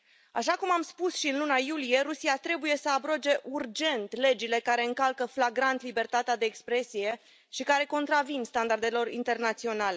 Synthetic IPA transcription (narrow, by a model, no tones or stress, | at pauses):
a̰ʃakumamspusʃiɨnlunajulije̞ɾusiat̪ɾe̞buje̞səabɾod͡ʒe̞ʔurd͡ʒe̞nt̪le̞d͡ʒile̞kaɾe̞ɨŋkalkəflaɡɾant̪libe̞rt̪at̪ead̪e̞ːkspɾe̞sije̞ | ʃikaɾe̞ko̞nt̪ɾavinst̪and̪ard̪e̞lo̞rḭnt̪e̞rnat̪sio̞nale̞